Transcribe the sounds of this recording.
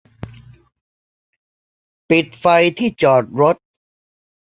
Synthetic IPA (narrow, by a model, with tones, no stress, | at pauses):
pi˨˩t̪̚fa˧jt̪ʰiː˥˩t͡ɕɔː˨˩t̪̚ɾo˦˥t̪̚